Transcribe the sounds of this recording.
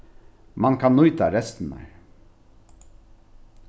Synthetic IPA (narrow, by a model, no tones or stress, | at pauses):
mɑnkʰɑnːʊʏt̪aɾɛst̪n̩æ̰